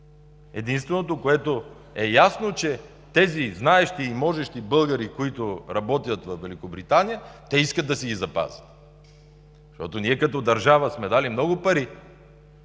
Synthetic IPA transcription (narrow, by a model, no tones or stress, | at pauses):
ɛd̪inst̪vɛnot̪okoɛt̪o | ɛjasnot͡ʃɛ | t̪ɛziznaɛʃt̪iːmɔʒɛʃt̪ibɤlˠɡɐɾikoit̪oɾɐbɔt̪ijət̪vɐfvɛlikobɾit̪anijət̪ɛiskət̪ːɐsɛɡizɐpa̰zʲət̪ | ʃt̪ɔ̰t̪oniɛkɐt̪ɔd̪ɐɾʒavəsmɛd̪alimnɔɡʊpɐɾi